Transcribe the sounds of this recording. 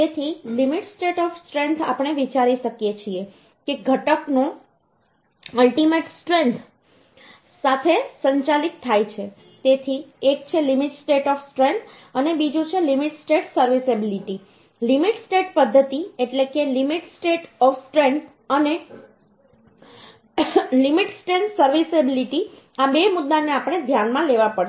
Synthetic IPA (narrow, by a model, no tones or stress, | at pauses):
t̪et̪ʰilimiʈsʈeʈɔfsʈɾẽnt̪ʰa̰pəɽ̃eʋit͡ʃaɾiʃəkjet͡ʃʰie | keɡʱəʈəknõ | əlʈimeʈsʈɾẽnt̪ʰ | sat̪ʰesə̃ɲt͡ʃalikt̪ʰːajt͡ʃʰe | t̪et̪ʰiekt͡ʃʰelimiʈsʈeʈɔfsʈɾent̪ʰ | ənebid͡ʒũt͡ʃʰelimiʈsʈeʈsəɾʋisebiliʈi | limiʈsʈeʈpəd̪ʱːət̪ieʈlekelimiʈsʈeʈɔfsʈɾent̪ʰ | əne | limiʈsʈɾẽnt̪ʰsəɾʋisebiliʈi | abemʊd̪ːaneapəɽ̃ed̪ʱjanmãleʋapəɽ